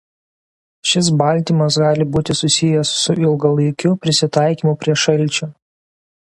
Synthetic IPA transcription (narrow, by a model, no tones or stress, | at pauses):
ʃʲɪs̬bɐˑlʲˑt̪ʲiːmɐsɡɑːlʲɪbuːt̪ʲɪsʊsʲɪjɛsːʊɪlˠɡɐlˠɐɪkʲʊpʲɾʲɪsʲɪt̪ɑˑɪkʲiːˑmʊpʲɾʲiɛʃɐlʲˑt͡ʃʲʊ